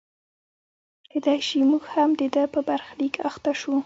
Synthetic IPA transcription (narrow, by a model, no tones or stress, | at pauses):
ked̪ajʃimuɡhamd̪əd̪əpəbaɾxlikaxt̪aʃu